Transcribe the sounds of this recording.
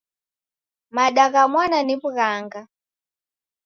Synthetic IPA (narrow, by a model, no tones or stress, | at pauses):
maɗakamwananipukaːŋɡa